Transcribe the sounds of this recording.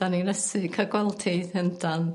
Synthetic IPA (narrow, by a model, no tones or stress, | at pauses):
aninɛsɨkʰəɡwɛlˠtʰeðəndan